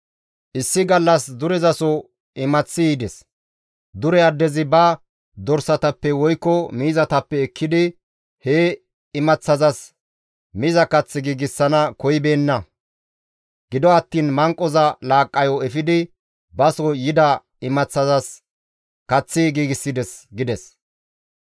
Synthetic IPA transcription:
ʔɪsːɪɡɐlːɐsd̪ʊɾɛzɐsɔ | ɪmɐt͡sːɪiːd̪ɛs | d̪ʊɾɛɐd̪ːɛzɪbɐ | d̪ɔɾsɐt̪ɐpːɛwɔjkːɔmiːzɐt̪ɐpːɛːkʰːɪd̪ɪ | he | ɪmɐt͡sːɐzɐs | miːzɐkɐt͡sːɪɡiːɡɪsːɐnɐkɔjbe̞ːnːɐ | ɡ̥ɪd̪ɔɐt̪ːiːnmɐŋkʼːɔzɐlaːkʼːɐjɔɛfɪd̪ɪ | bɐsɔjɪd̪ɐ | ɪmɐt͡sːɐzɐs | kɐt͡sːɪɡiːɡɪsːɪd̪ɛsɡɪd̪ɛs

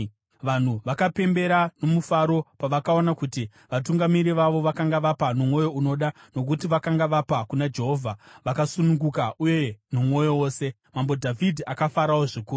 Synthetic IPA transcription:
ʋan̤uʋakape̞mbe̞ɾano̞mufaɾo̞paʋakao̞nakuti | ʋatuŋɡamiɾiʋaʋo̞ʋakaŋɡaʋapanomwo̞jo̞uno̞ɗano̞k̬utiʋakaŋɡaʋapakunad͡ʒe̞ɦo̞vʱaʋakasunuŋɡukaʔuje̞nomwo̞jo̞wo̞ːse̞ | mambo̞dʱavʱidʱiakafaɾawoʐikuːu

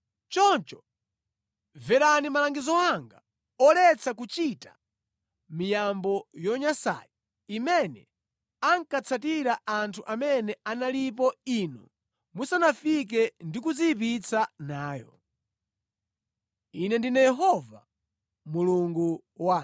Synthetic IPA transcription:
t͡ʃɔnt͡ʃɔ | vɛɾanimalaŋɡizɔaŋɡa | ɔlɛt͡sʰakut͡ʃitḁ | mijambɔjɔɲasa̰ji | imɛnɛ | aŋkat͡sʰat̬iɾaʔantʰuʔamɛnɛanalip̬ɔinṵ | musanafik̬ɛndikud͡zip̬it͡sʰanaːjɔ | inɛndinɛjɛɦɔva̰ | muluŋɡu | waː

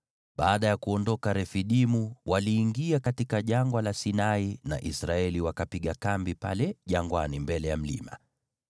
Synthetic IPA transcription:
ɓaːɗajakuɔndɔkaɾɛfiɗimuwʔaliːŋɡiakatikaʄaŋɡwalasinaina̰ʔisɾaɛliwakapiɠakambipa̰lɛʄaŋɡwanimbɛlɛjam̩lḭma̰

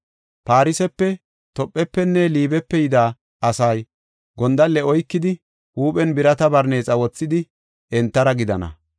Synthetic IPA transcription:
paːɾɪsɛpːɛ | t̪ɔpʼːɛpːɛnːɛliːbɛpːɛjɪd̪aː | ʔɐsɐj | ɡɔnd̪ɐlːɛɔjkːɪd̪ɪ | huːpʼɛnbɪɾɐt̪ɐbɐɾne̞ːt͡sʼɐwɔt͡sːɪd̪ɪ | ɛnt̪ːɐɾɐɡɪd̪ɐnɐ̰

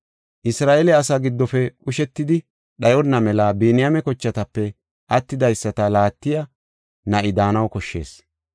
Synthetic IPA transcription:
ʔɪsɾaːʔelɛɐsaɡɪd̪ːɔfɛkʊʃɛt̪ːɪd̪ɪ | ɗɐjɔnːɐmɛlabiːnɪjamɛkɔt͡ʃːɐt̪ɐpːɛ | ʔɐt̪ːɪd̪ɐjsːɐt̪ɐlaːt̪ːɪjɐ | nɐʔɪd̪aːnɐwkɔʃːe̞̰ːs

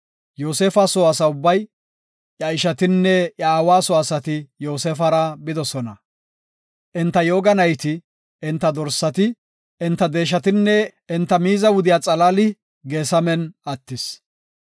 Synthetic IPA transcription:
joːseːfɐsoːɐsɐʊbːɐj | ʔjɐɪʃɐt̪ɪnːɛʔɐːwaːsoːɐsɐt̪ɪjo̞ːseːfɐɾɐbɪd̪ɔsɔnɐ | ʔɪnt̪ːɐjoːɡɐnɐjt̪ɪ | ɪnt̪ːɐd̪ɔɾsːɐt̪ɪ | ɪnt̪ːɐd̪e̞ːʃ̬ɐt̪ɪnːɛɪnt̪ːɐmiːzɐwʊd̪ɪjaːt͡sʼɐlaːlɪ | ɡeːsɐmɛnɐt̪ːɪs

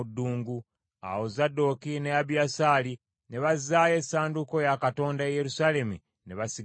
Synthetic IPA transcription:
dːuːŋɡu | a̰wo̞zadːo̞kinejaβijasaːli | ne̞βazːaje̞sːaːnduko̞jakato̞ːndaeje̞ɾusale̞mṵ | ne̞βasi

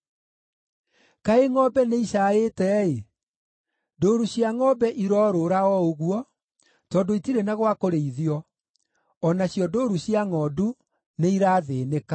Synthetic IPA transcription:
kaeŋɔbɛneiɕaːetɛe | doɾuɕjaŋɔbɛʔiɾɔːɾoɾaɔoɣuɔ | tɔdoitiɾenaɣwakoɾeiðiɔ | ɔnaɕjɔdoɾuɕjaŋɔːdu | neiɾaːðeːneka

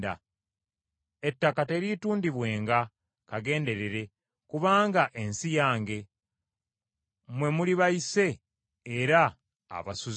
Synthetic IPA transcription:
da̰ | e̞tːakate̞ɾituːndiβwe̞ːŋɡa | kaɡe̞ːnde̞ɾe̞ɾe̞ | kuβaːŋɡaʔe̞nsijaːŋɡe̞ | mwe̞muliβaise̞ː | ɾa̰ː | βasuz

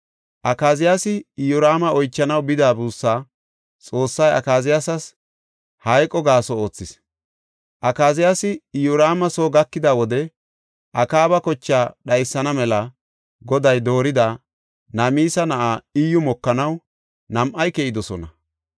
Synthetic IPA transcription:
ʔɐkaːzɪjasɪjʊɾaːmɐɔjt͡ʃːɐnɐwbɪd̪aːbuːsːaː | t͡sʼo̞ːsːɐjɐ̰kaːzɪjasɐs | hɐjkʼɔɡaːsɔo̞ːt͡sːɪs | ʔɐkaːzɪjasɪjʊɾaːmɐsoːɡɐkːɪd̪awɔd̪ɛ | ʔɐkaːbɐkɔt͡ʃːaːɗɐjsːɐnɐmɛlɐ | ɡɔd̪ɐjd̪o̞ːɾɪd̪a | nɐmiːsɐnɐʔaːɪjːʊmɔkːɐnɐw | nɐmʔɐjkɛʔɪd̪ɔsɔnɐ

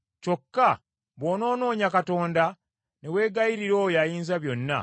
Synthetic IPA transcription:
co̞kːa | βoːno̞ːno̞ːɲakato̞ːnda | newe̞ːɡaiɾiɾo̞ːjajiːnzaβjo̞nːa̰

